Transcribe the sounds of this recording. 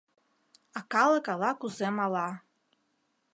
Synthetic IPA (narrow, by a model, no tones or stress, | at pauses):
ɑkɑlˠɤ̆kɑlˠɑkuzemɑlɑ